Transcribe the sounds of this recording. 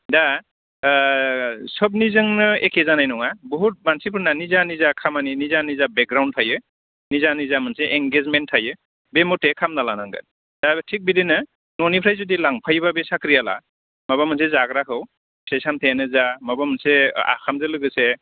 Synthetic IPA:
da | sɔb̬̚nizɯŋnɯekʰezanajnɔŋabɔɦut̚mansipʰɯnanizanizakʰamaninizanizabek̚ɡɾawntʰajɯ | nizanizamɯnseʔeŋɡezmentʰajɯ | bemɔtekʰamnalanaŋɡɯ̰n | d̥atʰik̚bidinɯ | nɔnipʰɾajzudilaŋpʰajbabesakɾiala̰ | maβamɯns̬ezaɡɾakʰɯw | pʰejsamtʰajanɯzamabamɯnsea̰kʰamzɯlɯɡɯse

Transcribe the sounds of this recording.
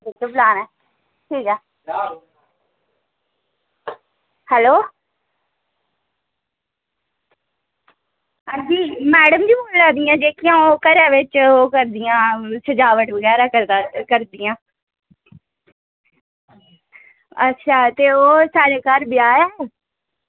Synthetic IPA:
ɪd͡ʒoblaːnɛː | ʈʰiːkɛː | hɛloː | əd͡ʒiːmɛːɽəmd͡ʒiːboːlːãːd̪ɪjãːd͡ʒeːkɪjãːoːkəɾãːʋɪt͡ʃoːkəɾd̪ɪjãːsəd͡ʒaːʋəʈoːɡaːɾaːkəɾd̪akəɾd̪ɪjãː | ətːʃʰaːt̪eːoːsaːɾeːkaɾbɪaːɛː

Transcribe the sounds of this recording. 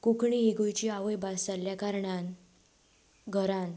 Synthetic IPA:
kukʰɳiɦiɡujt͡ɕiːaʋəjbasalːjakaɾɳan | ɡʱəɾãn

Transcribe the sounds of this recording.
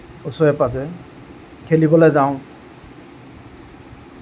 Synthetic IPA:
ɔsɔɛpazɔ | kʰelibɔlɔjzaʊ̃

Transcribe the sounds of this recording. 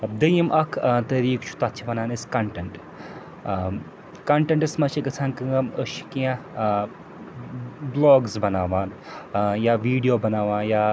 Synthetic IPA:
d̪ɐjimʔɐkʰt̪ɐɾiːkt͡ʃʰu̥t̪ɐt̪ːt͡ʃʰiʋɐnaːnɐskɐɳʈɐɳʈ | kɐɳʈɐɳʈɐsmɐʃikɐt͡sʰaːnkɨŋɐməʃi̥kiã | bloːɡzbɐnaːʋaːn | jaːʋiːɖijoːbɐnaːʋaːnjaː

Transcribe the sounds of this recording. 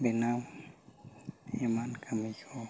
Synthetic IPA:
binaːm | imaːnkʰəmikʰo

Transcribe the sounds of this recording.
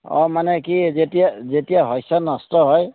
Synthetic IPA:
ɔ̰manɛkizetijazetijaɦɔjsanɔstɔɦɔj

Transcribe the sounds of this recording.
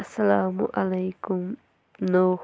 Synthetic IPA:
asalaːmʊ̰ʔalajkʊm | noː

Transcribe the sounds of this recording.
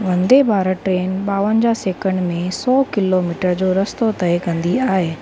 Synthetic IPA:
ʋɐ̃nd̪ebʱaːɾəʈɾeːnɓaːʋənd͡ʑaseːkə̃ɳɖmẽsɔːkɪlomiːʈəɾd͡ʑoːɾɐst̪ot̪ɐekɐ̃nd̪iaːɦeː

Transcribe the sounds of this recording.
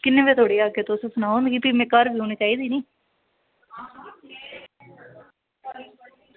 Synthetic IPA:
kɪnːẽːbeːt̪ʰoːɽiːaːket̪osəsənaːɦõnd̪ɡiːpiːmɛ̃ːkəɾbʱiːɦoːñiːt͡ʃaːiːd̪iːniː

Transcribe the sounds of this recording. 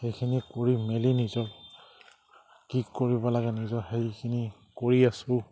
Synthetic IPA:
xejkʰinikoɹimelinizɔɹ | kikːoɹibɔlaɡɛnizɔɦejkʰini | koɹiasʊ

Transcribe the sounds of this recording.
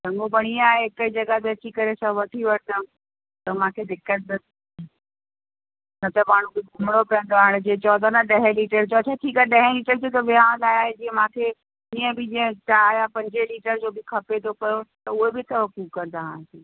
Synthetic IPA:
ɾɐ̃ŋɡobɐɽ̃iaːɦeɪkəid͡ʑɐɡat̪eɐt͡ɕikɐɾesãʋɐʈʰiʋɐɽt̪ə | t̪ɐmãːkʰed̪ɪkːəʈ̪̚ | nɐt̪ɐmaːɳ̤ũbɪɡʱʊmɽ̃opiə̃nd̪oaːɽ̃d͡ʑeːt͡ɕɔːd̪ʱanaɗɐɦẽliːʈəɾd͡ʑot͡ɕʰaʈʰiːkaɗɐɦẽliːʈəɾd͡ʑot̪ɐʋiãlaːiaːɦed͡ʑiːə̃mãːkʰe | iːə̃bɪd͡ʑiə̃ʈaaːjapɐ̃ɲd͡ʑeliːʈəɾd͡ʑoːbɪkʰɐpet̪ʰopɐjot̪ɐʊɦebɪt̪ʰɐʋɐkukɐɾd̪aɦãːsĩː

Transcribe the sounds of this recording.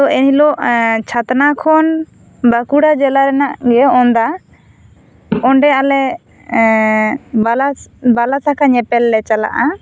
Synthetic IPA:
ɔɛnilɔʔt͡ʃʰat̪nakʰɔn | bakuɽad͡ʒɛlaɾɛnaʔɡɛɔnd̪a | ɔɳɖɛalɛ | balabalat̪akʰaɲɛpɛlːɛt͡ʃala̰ʔa

